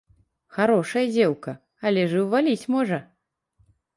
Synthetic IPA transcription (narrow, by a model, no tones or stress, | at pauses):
xaɾɔʂɐjɐd͡zʲɛwkɐ | alʲɛʐɨwvalʲit͡sʲmɔʐɐ